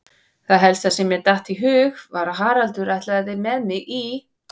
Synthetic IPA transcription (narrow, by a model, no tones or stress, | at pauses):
θaðɦɛlsasɛmːjɛɾt̪aht̪iɦʏːɣvaɾaɦaːɾalt̪ʏɾajht̪laðɪmɛðɪʔi